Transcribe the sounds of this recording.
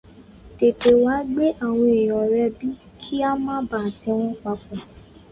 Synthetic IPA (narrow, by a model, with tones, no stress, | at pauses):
te˨te˨wa˨˦ɡ͡be˦ʔa˦˨w̃ɔ̃˧e˨jɔ̃˨ɾɛ˧bi˦ | kʰi˦a˦mãː˦ba˦˨sɛ˧˦w̃ɔ̃˦k͡pa˧˦k͡pɔ̃˨